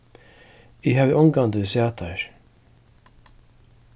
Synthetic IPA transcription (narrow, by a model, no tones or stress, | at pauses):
ɪɦaːvɪʔɔŋkand̪əsjaːt̪ʰaɹ